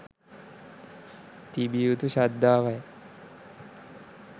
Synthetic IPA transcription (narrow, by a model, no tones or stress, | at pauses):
t̪ibiut̪uɕad̪ːaːʋaj